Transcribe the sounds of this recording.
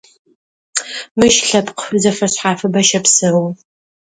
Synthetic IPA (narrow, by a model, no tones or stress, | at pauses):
mɨʃɬɐpqəfɨzɐfɐɕħaːfɨbɐʃɐpsɨw